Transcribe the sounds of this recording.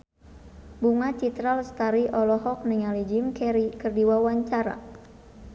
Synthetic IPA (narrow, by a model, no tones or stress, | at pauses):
buŋat͡ʃit̪ɾalst̪aɾiʔɔlɔɦɔk̚niŋalid͡ʒimkɛɾikɨrdiwawaɲt͡ʃaɾa̰